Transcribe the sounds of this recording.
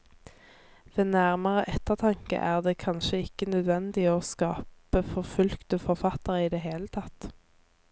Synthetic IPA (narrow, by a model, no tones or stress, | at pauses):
ʋeːnæʁməʁəʔɛt̪əʁt̪ʰɑŋkə̰ʔæːʁd̪eːkʰɑnʃəɪkːənœd̪ʋɛnd̪ɪoːskɑːpəfɔʁfʉlkt̪əfɔʁfɑt̪əʁəiːd̪eːɦeːlət̪ʰɑt̪